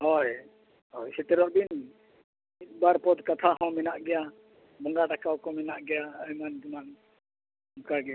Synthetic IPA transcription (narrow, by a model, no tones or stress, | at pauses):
ɦɔj | hɔjsɛt̪ɛɾɔʔbin | it̪̚ˀbaɾpɔd̪kat̪ʰahɔ̃mɛnaʔɡɛja | bɔŋɡaɖakawkɔmɛnaʔɡɛjaəjmand͡ʒiman | uŋkaɡɛa